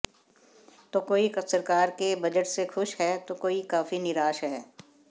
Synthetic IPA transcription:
t̪oːkoːiksɐɾkaːɾkebɐd͡ʒəʈsexʊʃɦɛːt̪okoːikaːfinɪɾaːʃɦɛː

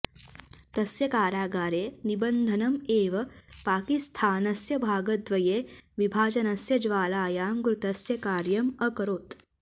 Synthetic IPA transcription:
t̪ɐsjɐkaːɾaːɡaːɾeːnibɐnd̪ʱɐnɐmeːʋɐpaːkist̪ʰaːnɐsjɐbʱaːɡɐd̪ʋɐjeːʋibʱaːd͡ʒɐnɐsjɐd͡ʒʋaːlaːjaːmɡɾut̪ɐsjɐkaːɾjɐmɐkɐɾoːt̪

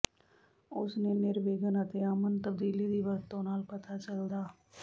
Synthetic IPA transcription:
ʊsneːnɪɾʋeːɡənət̪eːəmənt̪əb̚d̪iːliːd̪iːʋəɾt̪õːnaːlpət̪aːt͡ʃəld̪aː

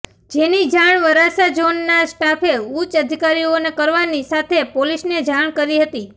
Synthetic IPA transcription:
d͡ʒenid͡ʒaɳʋəɾasad͡ʒonːasʈapʰeut͡ʃəd̪ʱikaɾionekəɾʋanisat̪ʰepolisned͡ʒaɳkəɾiɦət̪i

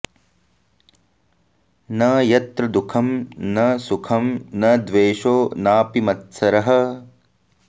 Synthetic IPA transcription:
nɐjɐt̪ɾɐd̪ukʰɐmnɐsukʰɐmnɐd̪ʋeːʃoːnaːpimɐt̪sɐɾɐɦɐ

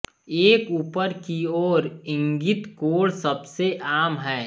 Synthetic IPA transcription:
eːkuːpəɾkiɔːɾɪ̃ŋɡɪt̪koːɽsɐbseʔaːmɦɛː

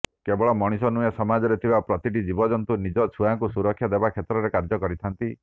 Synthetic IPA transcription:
kebɔɭɔmɔɽ̃isɔnujasɔmad͡ʒɔɾet̪ʰibapɾɔt̪iʈ̬id͡ʒibɔd͡ʒɔnt̪unid͡ʒɔt͡ʃʰuaŋkusuɾɔkʰːjad̪ebakʰet̪ɾɔɾekaɾd͡ʒɔkɔɾit̪ʰant̪i

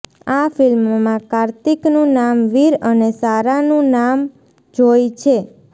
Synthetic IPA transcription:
afilmːãkaɾt̪iknũnamʋiɾənesaɾanũnam | d͡ʒojt͡ʃʰe

